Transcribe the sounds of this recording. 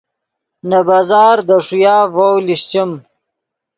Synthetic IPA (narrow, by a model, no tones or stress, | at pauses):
nabaːzɑːɾd̪əʂujaːvowliɕt͡ɕim